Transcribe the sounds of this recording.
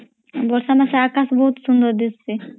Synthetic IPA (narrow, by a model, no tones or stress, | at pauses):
bɔɾsamaʃeakasbɔɦut̪ʃund̪oɾd̪isʰi